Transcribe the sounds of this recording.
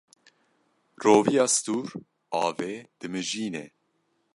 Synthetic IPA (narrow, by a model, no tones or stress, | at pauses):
roːvijɑːst̪uːɾ | ɑːveːd̪̥ɨmɨʒiːnɛ̰